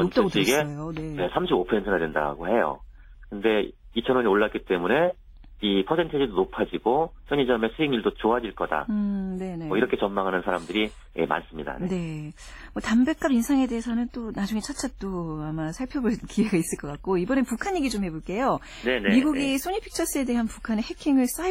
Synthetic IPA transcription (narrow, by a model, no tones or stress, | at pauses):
ot͈aɡotɯɡeʌjone̞nesʰamɕʰibopʰʌsentʰɯnadwe̞nda̰ɡohe̞jo̰ | kɯnde̞ | it͡ɕʰʌnwoɲioɭːak͈it͈e̞mune̞ | ipʰʌsʰe̞ntʰɯd͡ʑidonopʰad͡ʑiɡosʰʌɲid͡ʑʌme̞sʰuiŋiɭdot͡ɕoɦad͡ʑiɭk͈ʌda̰ne̞ne̞ʌiɾʌkʰe̞t͡ɕʌmːaŋɦanɯnsʰaɾamdɯɾi | ḛma̰ns͈ɯmɲida̰ne̞ | mʌtambe̞k͈abinsʰaŋe̞de̞ɦesʰʌnɯnt͈onad͡ʑuŋe̞t͡ɕʰat͡ɕʰat͈oamasʰaɭpʰjʌbonkiwe̞ɡais͈ɯɭk͈ʌk͈ak̚k͈oibʌnepukʰaɲːeɡid͡ʑomhe̞boɭk͈e̞jo | nenemmiɡuɡis͈ʰoɲipʰi̥k̚t͡ɕʰʌs͈ɯe̞de̞ɦanpukʰane̞hekʰiŋɯɭs͈ai